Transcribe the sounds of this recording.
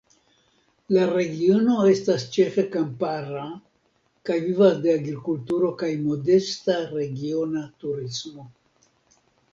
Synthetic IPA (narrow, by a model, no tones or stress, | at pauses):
laɾe̞ɡio̞no̞e̞stast͡ʃe̞fe̞kampaɾa | kajvivasdeaɡɾikultuɾo̞kajmo̞de̞staɾe̞ɡio̞natuɾismo̞